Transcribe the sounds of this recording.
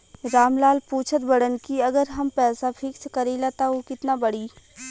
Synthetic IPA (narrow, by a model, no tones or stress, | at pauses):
ɾaːmlaːlpuːt͡ʃʰət̪̚bɐɽənkiɐɡəɾɦɐmpɛːsafʰɪkskɐɾelaːt̪aɦokɪt̪nabɐɽiː